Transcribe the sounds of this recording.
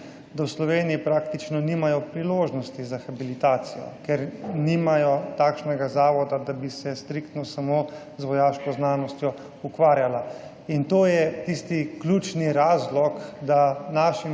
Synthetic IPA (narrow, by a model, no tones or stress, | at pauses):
d̪awslɔʋeːnijipɾakt̪it͡ʃnɔniːmajɔpɾiloːʒnɔst̪izaxabilit̪aːt̪sijɔ̰kɛɾniːmajɔt̪aːkʃnɛɡazaːʋɔd̪ad̪abisɛst̪ɾikt̪nɔsamo | zʋɔjaːʃkɔznaːnɔst̪jɔ | ukʋaːɾjala | int̪oːjɛt̪ist̪ikluːt͡ʃniɾaːzlɔkd̪anaːʃi